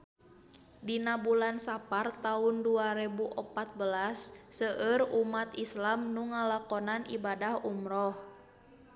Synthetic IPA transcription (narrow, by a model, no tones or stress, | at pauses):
dinabulansapart̪aunduaɾɛbuʔɔpat̪̚bəlasːəʔərumat̪islamnuŋalakɔnanḭbadahumɾɔh